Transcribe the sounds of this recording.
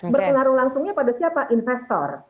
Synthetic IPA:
bərpəŋaɾʊhlaŋsʊŋɲapadasiapaʔinfɛst̪ɔ̰r

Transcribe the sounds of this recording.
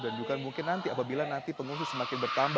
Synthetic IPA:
dand͡ʒuɡamuŋkɪnːant̪iapabilanant̪ipəŋuŋsɪsəmakɪnbərt̪amb

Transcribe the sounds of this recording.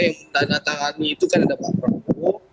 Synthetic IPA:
jaŋədanat̪aŋaniːt̪ukanadabakaku

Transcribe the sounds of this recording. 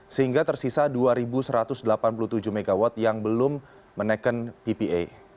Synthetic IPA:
səɦiŋɡat̪ərsisaduaɾibusəɾat̪ʊsdəlapanp̬uluht̪ud͡ʒuhmeɡawɔt̪̚jaŋbəlʊmː | ənəkənpipiʔḛ

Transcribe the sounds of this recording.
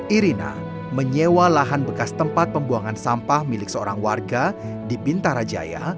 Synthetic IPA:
ʔiɾina̰ | məɲewalaɦanbəkast̪əmpat̪̚pəmbuaŋansampahmilɪk̚səoɾaŋwarɡa | dibint̪aɾad͡ʒa̰ja̰

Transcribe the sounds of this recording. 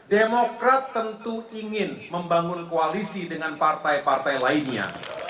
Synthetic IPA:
demokɾat̪ːənt̪uiŋɪnməmbaŋʊnkoalisidəŋanpart̪ajpart̪ajlainɲa̰

